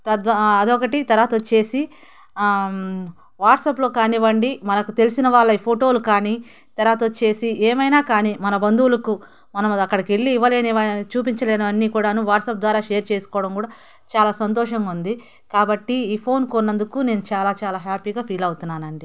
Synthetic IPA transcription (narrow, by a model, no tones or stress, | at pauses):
t̪ɐd̪ʋɐɐd̪ɔkɐʈit̪ɐɾaːt̪ot͡ʃe̞ːsi | ʋaːʈsɐplo̞ːkaːniʋɐɳɖimɐnɐkut̪e̞lisinɐʋaːɭːɐiːpʰoʈo̞ːlukaːni | t̪ɐɾaːt̪oːt͡ʃe̞ːsiʔeːmɐjnaːkaːniːmɐnɐbɐnd̪uwulɐku | mɐnɐmɐkːɐɽɐkeɭːiːʋːɐleːnɐt͡ʃuːpiɲt͡ʃɐleːnɐʋɐnːiːkuːɽaːnuʋaːʈsɐp̚d̪ʋaːɾaːʃeːɐɾt͡ʃe̞ːsu̥kɔːʋɐɽɐmkuːɽaː | t͡ʃaːlaːsɐnt̪̬ɔːʂɐŋɡund̪i | kaːbɐʈːiiːpʰo̞ːnkonːɐnd̪ukuːne̞ːnut͡ʃaːlaːt͡ʃaːlaːɦaːpiːɡaːpʰiːlɐwut̪unːaːnɐɳɖi